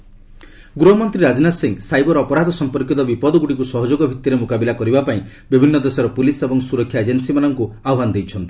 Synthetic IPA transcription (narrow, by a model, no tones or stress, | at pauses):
ɡɾuɦɔmɔnt̪ɾiɾad͡ʒnasiŋsajbɔɾɔːpɔɾad̪ʱɔsɔmpɔɾkjit̪ɔbipɔd̪ɔɡuɽikusɔɦɔd͡ʒoɡɔbʱit̪ːiɾemukabilakɔɾibapaĩ | bibʱinːɔd̪esɔɾɔpulisebɔŋsuɾɔkʰːjaed͡ʒensimanɔŋku | aɔbanɔd̪ejt͡ʃʰɔnt̪i